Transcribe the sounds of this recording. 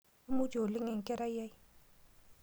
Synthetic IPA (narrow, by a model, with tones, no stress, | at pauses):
u˦mu˦d͡ʒʱo˨lɪ˦ŋɛ˨ŋ˨kʼɛ˦ɾa˦jja˦j